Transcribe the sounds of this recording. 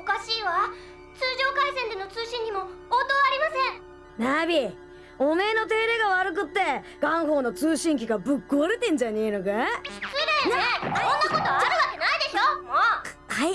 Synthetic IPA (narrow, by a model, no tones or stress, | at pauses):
okaɕiːβa | t͡sɨːʑo̞ːkaisẽ̞nd̪e̞not͡sɨːɕĩɲɲ̟imo̞oːt̪oːaɾʲimasẽ̞ɴ | nabʲi | ome̞ːno̞t̪e̞ːɾe̞ːɡaβaɾɯ̟k̬ɯ̟t̪ːe̞ | ɡ̥ãɰ̃ɦo̞ːno̞t͡sɨːɕĩŋk̬ʲiɡabɯ̟kːoɾɯt̪ẽ̞ɲ̟d͡ʑane̞ːnoɡai̥t͡sɨid̪eoeõnːkot̪oaɾɯβakenaid̪e̞ɕo | hai